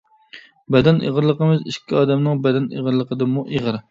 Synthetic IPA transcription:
bɛd̪ɛnʔḛʁəɾlˠəqəmɨziʃkʲʰːiɑːd̪ɛmnɪŋbɛd̪ɛnḛʁəɾlˠəqʰəd̪ɨmuʔeʁəɾ

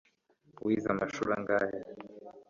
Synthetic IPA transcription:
wizamaʃuɾaŋɡaːje

